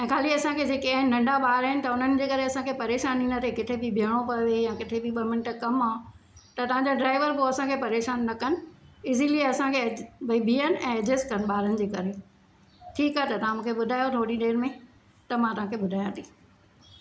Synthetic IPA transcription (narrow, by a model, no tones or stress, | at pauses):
ɛ̃ːkʰaːliɐsãkʰed͡ʑeːkiɐ̃ɦɪnɐ̃ɳɖaɓaːɾəɦɪnɪ̆t̪ɐʊn̤ənɪ̆d͡ʑeːkɐɾeɐsãkʰepɐɾeːʃaːninət̪ʰekɪt̪ʰebɪbʱijəɽ̃opɐʋejãkɪt̪ʰebiɓɐmɪ̃ɳʈkɐmaː | t̪ɐt̪ɐʋ̤ãɲd͡ʑaɖɾaːɪʋəɾpoɐsãkʰepɐɾeːʃaːnːɐkɐnɪ̆ɪziliɐsãkʰebʱbʱiːənɪ̆ɛ̃ːɐd͡ʑɪskɐnɪ̆ɓaːɾənɪ̆d͡ʑeːkɐɾe | ʈʰiːkaːɦet̪ɐt̪ɐʋãmũːkʰeɓʊd̪ʱaːjot̪ʰoːɽiɗeːɾmẽ | t̪ɐmãt̪ɐʋ̤ãːkʰeɓʊd̪ʱaːjãt̪ʰiː